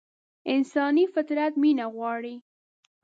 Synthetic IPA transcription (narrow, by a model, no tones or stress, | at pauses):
ɪnsɑnifɪt̪ɾat̪minaɣwɑɽi